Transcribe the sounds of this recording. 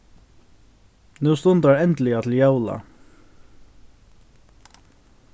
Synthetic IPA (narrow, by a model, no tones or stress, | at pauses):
nuːst̪ʊnt̪aɹɛnt̪l̩ɪat̪ʰɪljawla̰